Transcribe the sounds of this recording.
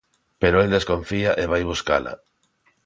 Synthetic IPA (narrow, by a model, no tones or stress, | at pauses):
peɾoeld̪eskoɱfiaʔeβajβ̞uska̰la̰